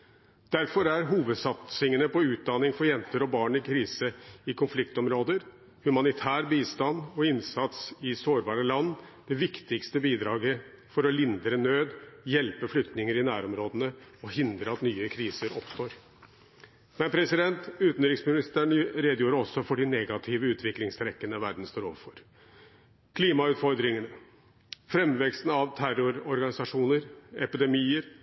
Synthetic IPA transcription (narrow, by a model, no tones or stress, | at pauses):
d̪̥æɾfɔɾæɾɦuːʋəd̪sɑt̪sɪŋənəpɔʉːt̪̚d̪ɑnɪŋfɔɾjɛnt̪əɾɔbɑːɳɪkʰɾiːsəɪkʰʊnflɪkt̪ɔmɾoːd̪əɾ | hʉmɑnɪt̪ʰæːɾbiːst̪ɑnɔɪnsɑt̪sɪsoːɾbɑːɾəlɑnːd̪̥ɛʋɪkt̪ɪkst̪əbiːd̪ɾɑːɡə | fɔɾɔlɪnd̪ɾənøːd̪jɛlpəflʏkt̪nɪŋəɾɪnæ̰ːɾɔmɾoːd̪ənəɔhɪnd̪ɾəɑt̪nyːəkʰɾiːsəɾɔpst̪oːɾ | mɛnpʰɾɛsɪd̪ɛnt̪ʉːt̪n̩ɾɪksmɪnɪst̪æːɳɾeːd̪əjuːɾəɔsːɔfɔɖɪneːɡɑt̪ʰɪːʋəʉːt̪ʰʋɪklɪŋst̪ʰɾɛkːənəʋæɾd̪n̩st̪oːɾo̰ːʋəfɔɾ | kʰliːmɑʉːt̪fɔɾd̪ɾɪŋənə | fɾɛmːʋɛkst̪n̩ɑʋt̪ʰæɾʊɾɔɾɡɑnɪsɑʂuːnəɾɛpɪd̪ɛmiːəɾ